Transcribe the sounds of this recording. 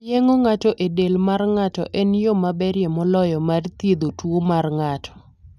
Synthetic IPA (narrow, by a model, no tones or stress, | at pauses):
jeŋoŋatɔʔedelmarŋatɔ̰ʔɛnjomabɛɾjemɔlɔjɔmart̪jed̪otwomarŋatʰɔ̥